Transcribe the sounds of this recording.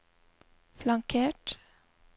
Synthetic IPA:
flɑŋkʰeːʈ

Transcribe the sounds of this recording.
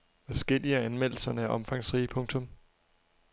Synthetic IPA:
ʋæsɡ̥el̰iəænmel̰l̩sɐnəæʔɒ̽mfɑ̈ŋsʁiːpʰɔ̽ŋt͡sʰɔ̽m

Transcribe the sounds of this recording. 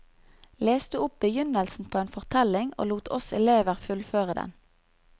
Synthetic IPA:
leːsd̪ʉːʊp̚bəjʏnəlsn̩pʰoːeːnfɔʁt̪ʰɛlɪŋo̰ːluːt̪ʰɔsɛ̰leːʋəʁfʉlføːʁəd̪ɛ̰n

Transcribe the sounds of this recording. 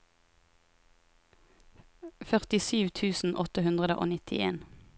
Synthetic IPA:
fœʁt̪ɪsyːʋt̪ʰʉːsn̩ʔɔt̪əhʉnd̪ʁəd̪əʔo̰ːnɪt̪ʰɪ̰ḛːn

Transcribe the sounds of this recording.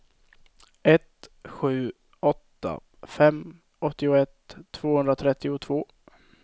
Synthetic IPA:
ɛt̪ɧʉ̟ː | ɔt̪ːa̰ | fɛm | ɔt̪ːɪʊɛt̪ʰːv̥oːhɵnd̪ɾat̪ʰɾɛt̪ːɪʊt̪ʰvoː

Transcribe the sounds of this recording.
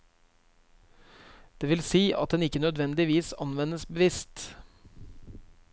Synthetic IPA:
d̪̥eːʋɪlsiːʔɑ̰t̪̚d̪ɛnɪkənœd̪ʋɛnd̪ɪʋiːsɑnʋɛnəsbəʋɪst̪

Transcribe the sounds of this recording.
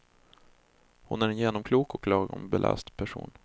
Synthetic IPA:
hʊnæɾɛnjeːnɔmkʰluːkɔkʰlɑːɡɔmbɛlʔa̰st̪pʰæʂṵːn

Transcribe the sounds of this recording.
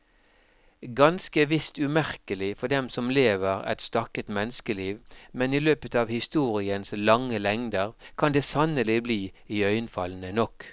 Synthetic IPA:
ɡɑnskəʋɪst̪ʉmæʁkəlɪfɔɖ̪ɛmsɔmleːʋəʁɛ̰t̪st̪ɑkət̪mɛnəskəliːʋmɛniløːpət̪ɑːʋhɪst̪uːʁɪənslɑŋːəlɛŋd̪əʁkʰɑnd̪eːsɑnəlɪbliːiœʏənfɑln̩ənɔk

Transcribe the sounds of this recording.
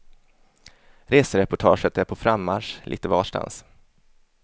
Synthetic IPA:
ɾeːsəɾɛpʊʈʰɑːʂət̪æɾpʰɔfɾamːaʂlḭːt̪əvɑ̰ːʂʈa̰ns

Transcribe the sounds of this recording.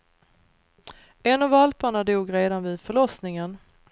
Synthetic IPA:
ɛnavalpaɳad̪uːɡɾeːd̪anvɪːd̪fœɭɔsnɪŋən

